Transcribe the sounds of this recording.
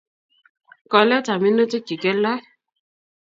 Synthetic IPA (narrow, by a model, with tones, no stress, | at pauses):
kɔ˨lɛ˦ta˨mi˦no˦te˦ki˨kɛ˦la˦